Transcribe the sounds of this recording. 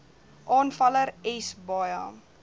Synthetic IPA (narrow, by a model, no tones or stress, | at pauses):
ʔɑːnfɐləɾɛsbɑjɑːm